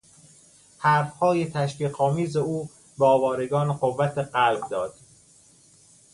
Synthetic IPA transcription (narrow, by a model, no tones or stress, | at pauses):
hæːɾfhɒːjet̪ʰæʃfiːqɒːmiːzeuː | bɒːvɒːɾeɡɒːnɢovːæt̪ʰeɢælb̚d̪ɒːd̪̥